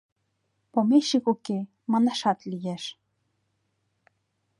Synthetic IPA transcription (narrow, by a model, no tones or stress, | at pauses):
pomeʃikuke | mɑnɑʃɑt̪lijeʃ